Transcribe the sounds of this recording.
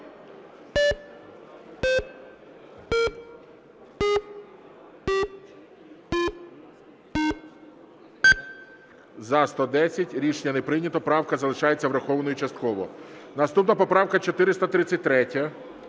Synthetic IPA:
zɐst̪ɔd̪ɛsʲɐtʲɾʲiʃnʲːɐnepɾɪnʲɐt̪ɔpɾɑwkɐzɐlˠɪʃɑjet͡sʲːɐʋɾɐxɔʋnɔjut͡ʃɐst̪̚kɔʋɔ̰nɐst̪upnɐpɔpɾɑwkɐt͡ʃɔt̪ɪɾɪst̪ɐt̪ɾɪt͡sʲːɐt̚ʲt̪ɾɛtʲɐ

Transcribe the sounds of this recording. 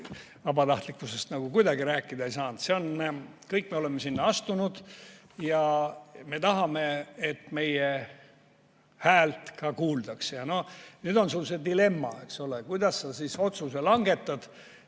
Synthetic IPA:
vɑbɑt̪ɑht̪likːˑuse̞st̪nɑɡ̥ukujd̪ɑɡiɾæːkːˑid̪ɑejsɑːnd̪̥se̞o̞nkɤjkːˑmeole̞mːesinːɑɑst̪unud̪̥ | jɑme̞t̪ɑɦɑme̞et̪ːme̞je | hæːlt̪kɑkuːld̪̥ɑksejɑno̞nyːd̪o̞nsulːse̞d̪ile̞mːɑe̞kso̞lekujd̪ɑsːesiso̞t̪suse̞lɑŋɡe̞t̪ːˑɑd̪̥

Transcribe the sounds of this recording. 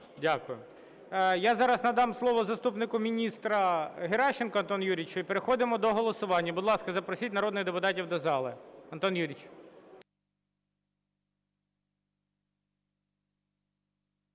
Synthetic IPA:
dʲakʊjʊ | jazɑɾɐsnɐd̪ɑmslˠɔʋɔzɐst̪upnɪkʊmʲinʲist̪ɾɐɦeɾɑʃenkɔɐnt̪ɔnjuɾʲit͡ʃʊipeɾexɔd̪ɪmɔd̪ɔɦɔlˠɔsʊʋɑnʲːɐbʊd̪lˠɑskɐzɐpɾɔsʲitʲnɐɾɔd̪nɪɣd̪epʊt̪ɑtʲiwd̪ɐzɑlˠɪɐnt̪ɔnjuɾʲit͡ʃ

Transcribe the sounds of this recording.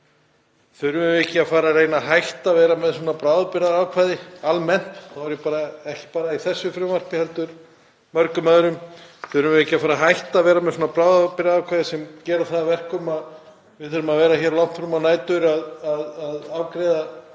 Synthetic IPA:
θʏðɾʏmɪvɛhcɪafaːɾareːjnaɦajht̪avɛːɾamɛðsɔːnapɾaːwðapɪɾaðɾaːwkʰvajðɪalmɛn̥t̪θavɛɾjʏpaːɾaɛhcɪ̥paːɾaiθɛsːʏfɾʏvar̥pɪhɛlt̪ʏɾ | mœɾkʏmaðɾʏmθʏðʏɾʏvɪɛhcːɪafaːɾaɦajht̪aːvɛːɾamɛðswɔːnapɾawðapɪɾaðawkʰvaːjðɪsɛmcɛːɾaθaðvɛr̥kʏmað | vɪθœɾʏmaðvɛːɾaçɛːɾlɔwht̪fɾamanaːjt̪ʏɾaðaðaðawkɾeːða

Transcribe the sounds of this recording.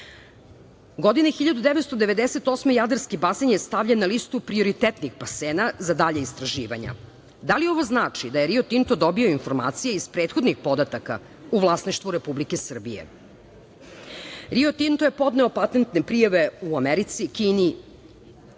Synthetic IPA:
ɡo̞d̪inexiʎad̪ud̪eʋet̪st̪od̪e̞ʋe̞d̪eset̪o̞smejad̪aɾskibasenjest̪aʋʎanːalist̪upɾio̞ɾit̪et̪nixpaseːnazad̪aʎeist̪ɾaʒiːʋa̰ɲa̰ | d̪alio̞ʋoznaːt͡ʂid̪aje̞ɾio̞t̪int̪od̪o̞bio̞info̞ɾma̰ːt̪sijeispɾeːt̪xod̪nixpo̞d̪at̪aka̰ | uʋlˠasniʃt̪ʋuɾepublikesr̩bijḛ | ɾiot̪int̪oje̞po̞d̪neopat̪ent̪nepɾijaʋe̞uameɾit̪sikiːni

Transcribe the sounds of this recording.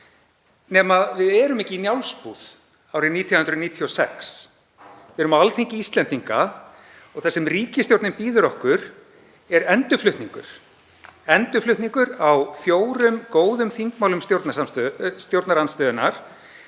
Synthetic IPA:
nɛːmaðvɪðɛːɾʏmɛhcɪinjawlspuð̥ | awɾɪniːt̪ʰiahʏnt̪ɾʏniːt̪ʰiɔsɛ̰ks | vɪðɛɾʏmaalt̪ʰeŋcɪist̪lɛnt̪iŋka | ɔɣθɛsːɛmriːcɪst̪jowɾt̪ɪmpiːðʏɾɔhkʏɾ | ɛɾɛnt̪ʏflʏht̪niŋkʏ̰ɾ̥ | ɛnt̪ʏflʏht̪niŋkʏɾawfjoːwɾʏmkoːwðʏmθiŋkmawlʏmst̪jowɾt̪nasamst̪st̪jowɾt̪naɾanst̪œːðʏnaɾ̥

